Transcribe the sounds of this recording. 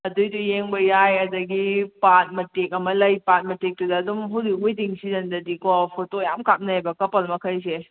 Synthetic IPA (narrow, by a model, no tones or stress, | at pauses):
ɐdujdujeŋbɐjajɐdɐɡipat̚mɐtːek̚ɐmɐlɐjpat̚mɐtek̚tudɐːdumɦawdiujdiŋsizɐndɐdikɔpʰotojamkap̚nɐajbɐkɐpɐlmɐkʰɐjs̬e